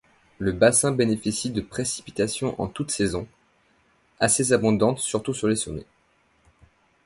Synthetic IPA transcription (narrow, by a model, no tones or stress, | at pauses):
ləbasɛ̃benefisid̪əpχesi̥pi̥t̪asjɔ̃ʔɑ̰̃t̪ut̪sezɔ̃ | asezabɔ̃d̪ɑ̃t̪syʁt̪usyʁlesomɛ̰